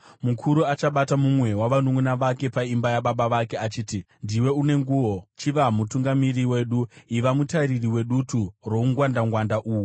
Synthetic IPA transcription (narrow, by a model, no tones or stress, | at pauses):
mukʰuɾuat͡ʃaɓatamumwe̞waʋanuŋunaʋake̞paimbajaɓaɓaʋake̞at͡ʃiːti | ndiwe̞une̞ŋɡuːwo̞t͡ʃiʋamutuŋɡamiriwe̞ːɗuiʋamutaɾiriwe̞ɗuturo̞uŋɡwandaŋɡwandaʔuːwu